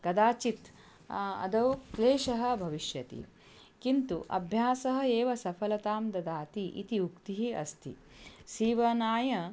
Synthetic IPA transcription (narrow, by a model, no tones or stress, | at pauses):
kɐd̪aːt͡ʃit̪ | ɐ̰d̪ɐwkleːʃɐɦɐ̆bʱɐʋiʃjɐt̪ḭ | kint̪uʔɐ̰bʱjaːsɐɦɐ̆eːʋɐsɐpʰɐlɐt̪aːmd̪ɐd̪aːt̪iʔḭt̪iukt̪iɦiɐ̰st̪ʰḭ | siːʋɐnaːjɐ